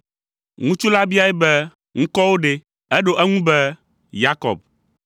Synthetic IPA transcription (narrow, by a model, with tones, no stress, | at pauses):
ŋũ˦t͡ʃu˦la˦bi˦a˦jɛ˦bɛ˦ | ŋ̩̃˦kɔ˦wo˦ɖe˦ | ɛ˦ɖo˦ʔɛ˦ŋũ˦bɛ˦ | ja˦kɔ̰˨b̚